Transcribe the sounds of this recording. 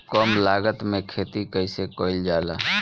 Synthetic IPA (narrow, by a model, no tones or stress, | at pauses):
kɔmlaːɡət̪mẽkʰeːt̪ikəisekoːɪld͡ʒaːla̰ː